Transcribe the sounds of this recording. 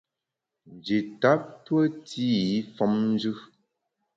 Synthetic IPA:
nd͡ʒi˨ta˨˦p̚twə˦ti˦i˦fɔ˨˦mn˦d͡ʒʉ˦

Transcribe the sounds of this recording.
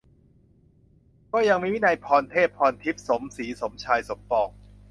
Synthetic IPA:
kɔː˥˩ja˧ŋmiː˧˩wi˦˥˩na˧jpʰɔː˧nt̪ʰeː˥˩p̚pʰːɔː˧nt̪ʰi˦˥p̚so˩˦msiː˩˦so˩˦mt͡ɕʰaː˧jso˨˩˦mpɔː˨˩k̚

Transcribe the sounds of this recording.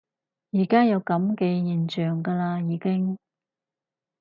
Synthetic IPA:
jiː˨˩kaː˥jɐ˨˧wkɐ˨˥mke˨˧jiː˨˩nt͡ʃœː˨˩ŋkaː˧laː˧jiː˨˧kɪ˥ŋ

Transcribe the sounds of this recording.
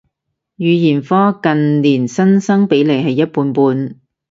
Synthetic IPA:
jyː˨˧jiː˨˩nfɔː˥kɐ˨nliː˨˩nsɐ˥nsɐ˥ŋpe˨˥jle˨˧jɦɐ˨jːɐ˥t̚puː˧npuː˧n

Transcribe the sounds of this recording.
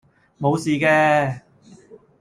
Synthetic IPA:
mo˨˧wsiː˨˧kɛː˧

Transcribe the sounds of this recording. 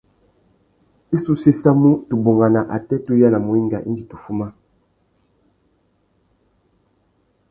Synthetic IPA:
i˦su˦se˦sa˦mu˦tu˨bo˨ŋɡa˨na˨ʔa̰˨tɛ˦tu˦ja˦na˨mu˨i˦ŋɡa˨ʔḭ˦nd͡ʒi˨tu˨fu˦ma˦

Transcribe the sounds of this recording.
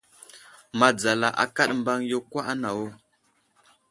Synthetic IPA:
ma˨d͡za˨la˨ʔa̰˨ka˦ɗmba˦ŋjo˦kwa˦ʔa˦na˨wo˦

